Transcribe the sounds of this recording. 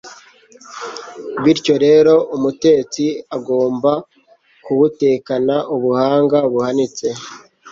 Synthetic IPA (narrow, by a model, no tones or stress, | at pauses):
βiɾco̞ɾe̞ːɾo̞ʔumute̞ːt͡siaɡo̞ːmba | kuβute̞ːkanaʔuβuhaːŋɡaβuhanit͡se̞